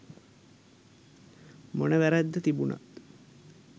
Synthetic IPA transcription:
monəʋæɾæd̪ːət̪ibuna̰t̪

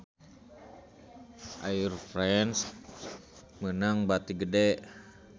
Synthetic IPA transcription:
ʔairfɾɛns | mənaŋbat̪iɡədɛʔ

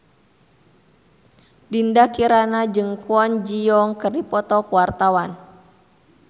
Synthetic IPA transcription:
dindakiɾanad͡ʒɨŋkuɔnd͡ʒiɔŋkɨrdipɔt̪ɔkuwart̪awan

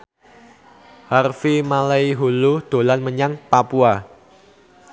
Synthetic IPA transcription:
harfimalaiɦulud̪̥o̤lanməɲaŋpapua

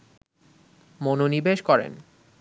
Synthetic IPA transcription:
mononibeʃkɔɾḛn

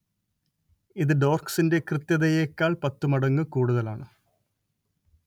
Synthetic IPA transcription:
iðɨɖo̞ːrksinde̞krɨt̪jɐðɐjekʲːaːɭpɐt̪ːumɐɽɐŋːɨkuːɽuðɐlaːɳɨ

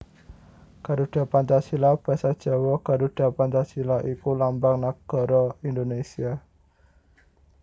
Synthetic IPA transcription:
kaɾuɖ̥a̤pant͡ʃasilab̥a̤sad̥ʒ̥a̤wɔɡ̥a̤ɾuɖ̥a̤pant͡ʃasilaʔikulambaŋnaɡ̥ɔ̤ɾɔind̪onesia

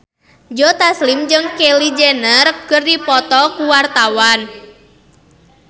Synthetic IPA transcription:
d͡ʒɔt̪aslɪmd͡ʒɨŋkelid͡ʒenərkɨrdipɔt̪ɔkuwart̪awan

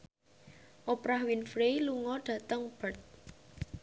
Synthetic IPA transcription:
ʔopɾahwinfɾeluŋɔɖ̥ä̤t̪əŋb̥ət̪̚

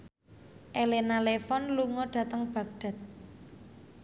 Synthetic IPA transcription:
ʔelenalefɔnluŋɔɖ̥ä̤t̪əŋb̥ä̤k̚ɖ̥a̤t̪̚

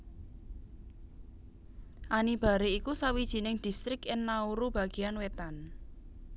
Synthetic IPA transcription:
ʔanib̥a̤ɾeikusawid̥ʒ̥i̤nɪŋd̪̥i̤st̪ɾɪkɪnːauɾub̥a̤ɡ̥i̤anwet̪an

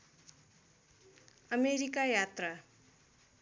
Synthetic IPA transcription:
ʌmeɾikajat̪rʌ

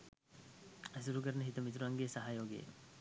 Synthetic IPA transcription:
ɐs̬uɾukəɾɐnəɦit̪ɐmit̪ɾuaŋɡeːsɐɦajoːɡḛ

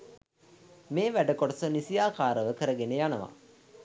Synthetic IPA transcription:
meːʋæɖəkoʈəsənisijaːkaːɾəʋəkəɾəɡenejanəʋa̰

